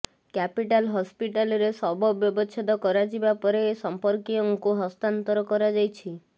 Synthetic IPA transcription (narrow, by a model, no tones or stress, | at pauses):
kapiʈalɦɔspiʈalɔɾesɔbɔbjɔbɔt͡ʃʰed̪ɔkɔɾad͡ʒibapɔɾeːsɔmpɔɾkiɔŋkuɦɔst̪ant̪ɔɾɔkɔɾad͡ʒajt͡ʃʰi